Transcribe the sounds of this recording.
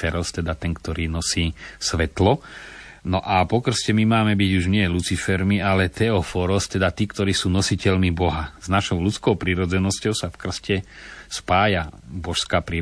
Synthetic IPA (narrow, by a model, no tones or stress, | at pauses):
ɛɾɔst̪ɛd̪at̪ɛŋkt̪ɔɾiːnɔsiːsʋɛt̪lɔ | nɔʔapɔkr̩scɛmimaːmɛbiɟuʒɲɪɛlut͡sifɛɾmialɛt̪ɛɔfɔɾɔst̪ɛd̪at̪iːkt̪ɔɾiːsuːnɔsicɛlmibɔɦaznaʃɔʊlut͡skɔʊpɾiɾɔd͡zɛnɔscɔʊsafkr̩scɛspaːjabɔʃskaːpɾi